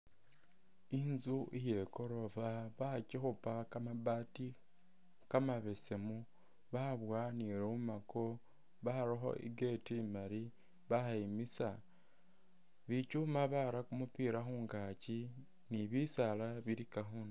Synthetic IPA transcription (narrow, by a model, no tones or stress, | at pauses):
inzuʔije̞ko̞ɾo̞vaβacixupakamaβati | kamaβe̞se̞mu | βaβwaniɾumako̞ | βaɾoxo̞̰ʔḭɡetimaɾi | βaxaimisa | βicumaβaɾakumupiːɾaxuːŋɡaci | niβisalaβiɾikaxuna